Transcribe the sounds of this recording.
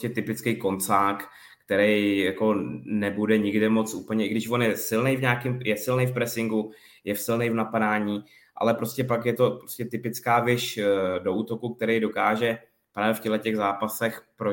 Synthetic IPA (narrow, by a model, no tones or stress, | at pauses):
cɛt̪ɪpɪt͡skejko̞nt͡saːk | kt̪ɛɾɛjjako̞nɛbudɛɲɪɡdɪmo̞t͡sʔuːpl̩ɲɛʔɪɡdɪʃvo̞njɛsɪlnejvɲaːkɪmjɛsɪlnejfpɾɛsɪŋɡu | jɛfsɪlnejvnapadaːɲiː | ʔa̰lɛpɾo̞scɛpakjɛt̪o̞pɾo̥scɛt̪ɪpɪt͡skaːvɪʃdo̞ʔuːt̪o̞kuk̚t̪ɛɾɛjdo̞kaːʒɛ | pɾaːvjɛfcɛɦlɛcɛɣzaːpasɛxpɾo